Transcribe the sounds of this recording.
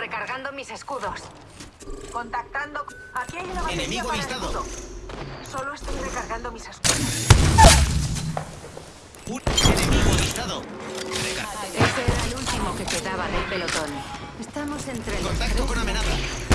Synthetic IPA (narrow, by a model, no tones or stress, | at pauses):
rekaɾɣand̪omise̞skuðo̞s | ko̞nt̪ak̚t̪and̪o | akeajunaβaenemiɣist̪aðoðo | soloest̪ojrekaɾɣand̪omise̞skuðos | enemiɣoβist̪aðoreest̪eeɾaelult̪imo̞ke̞ke̞ðaβaðe̞lpe̞lo̞t̪o̞nest̪amo̞se̞nt̪ɾekont̪akt̪okonamẽnaθa